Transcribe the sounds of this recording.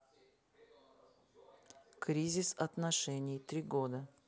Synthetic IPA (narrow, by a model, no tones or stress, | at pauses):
kɾʲizʲɪsɐt̪nɐʂɛnʲɪjt̪ɾʲiɡod̪ə